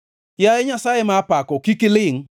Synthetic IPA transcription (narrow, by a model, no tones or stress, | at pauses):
jaɛɲasajemaːpakɔkikɪlɪŋ